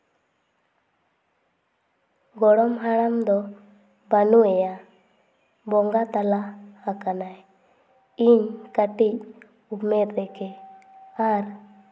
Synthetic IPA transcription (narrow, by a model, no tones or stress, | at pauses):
ɡɔɽɔmɦaɽ̃amd̪ɔ | banuɛja | bɔŋɡat̪alaakanaj | iɲkaʈic̚ | umɛd̪ɛkɛ | aɾ